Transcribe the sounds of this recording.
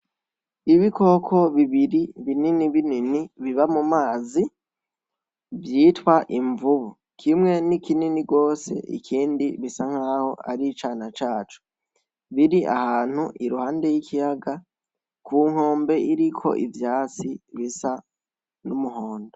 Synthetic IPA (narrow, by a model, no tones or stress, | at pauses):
iβiko̞kʰo̞βiβiɾiβininiβininiβiβamumaːzi | vjiːtwaʔiɱvuβu | kʰimŋe̞nikininiɡɡo̞ːse̞̰ʔḭkʰiːndiβisaŋ̥haːho̞̰ʔa̰ɾit͡ʃaːnat͡ʃaːt͡ʃu̥ | βiɾiʔa̰haːn̥huʔiɾuhaːnde̞jikʰijaɡa | kʰuːŋ̥ho̞ːmbe̞iɾikʰo̞̰ʔḭvjaːt͡siβisa | numuho̞ːndo